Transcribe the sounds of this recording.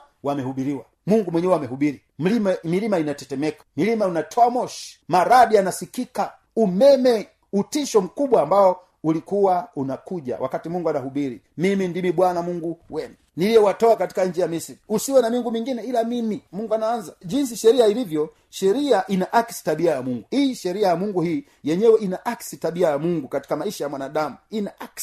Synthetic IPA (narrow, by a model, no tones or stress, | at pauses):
wamɛhuɓiɾiwa | muŋɡumwɛɲɛwɛamɛɦuɓiɾi | m̩limamilimainatɛtɛmɛkḁmilimainatʰɔamɔʃi̥maɾaɗianasikika | umɛmɛ | utiʃɔm̩kuɓwaːmbaɔ | ulikuwaunakuʄa̰wʔa̰katimuŋɡuanahuɓiɾḭ | mimindimiɓwanamuŋɡuwɛnaniliɛwatɔakati̥kaɲd͡ʒijamisiɾiusiwɛnamiŋɡumiŋɡinɛilamimimuŋɡuanaanzaʄins̬iʃɛɾiailivjɔ | ʃɛɾiaʔinaʔaksi̥taɓiajamuŋɡuhiːʃɛɾiajamuŋɡuhiː | jɛɲɛwɛinaʔaksitaɓiajamuŋɡukati̥kamaiʃajamwanaɗamuinaʔaks